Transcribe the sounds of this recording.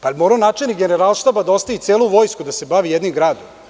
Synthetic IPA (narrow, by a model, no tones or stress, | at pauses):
palmoːɾaonaːt͡ʂelnikɡeneɾalˠʃt̪aːbad̪aost̪ait̪seːlˠuʋo̞ːjskud̪ase̞baʋijed̪nimɡɾaːd̪om